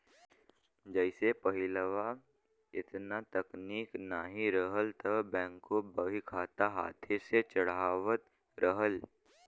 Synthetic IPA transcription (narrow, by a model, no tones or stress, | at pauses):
d͡ʒəɪsepɐɦɪləʋa | ɪt̪nat̪ɐkniːknaɦiɾəɦəlt̪ʰɐbɛ̃ːŋkːobəɦikʰaːt̪aɦa̰ːt̪ʰeset͡ʃəɽaːʋət̪ | ɾəɦəl